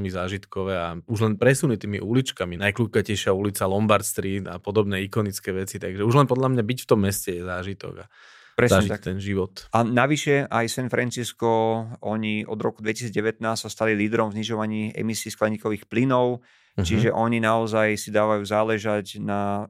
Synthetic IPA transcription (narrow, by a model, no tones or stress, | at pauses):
ɛlmizaːʒit̪kɔʋɛːauʒlɛnpɾɛsuːnit̪iːmḭʔulit͡ʃkaminajkluːkacɛjʃɪaulit͡salɔmbaɾt̪st̪ɾiːd̪a̰pɔd̪ɔbnɛikɔnit͡skɛʋɛt͡sit̪aɡʒɛuʒlɛnpɔd̪lamɲabicft̪ɔmːɛscɛjɛzaːʒit̪ɔ̰ɡa̰ | pɾɛszaɲɛʒiat̪ɛnʒiʋɔt̪anaʋiʃɛʔajsɛnfɾɛnt͡siskɔɔɲiʔɔ̰d̪ɾɔkud̪ʋɛci̥siːd͡zɟɛʋɛt̪naːst̪sast̪aliliːd̪ɾɔmvzɲiʒɔʋaɲiːʔɛ̰misiːsklɛɲiːkɔʋiːxplinɔʊ | t͡ʃiʒɛʔɔɲinaɔzajsid̪aːʋajuːzaːlɛʒacna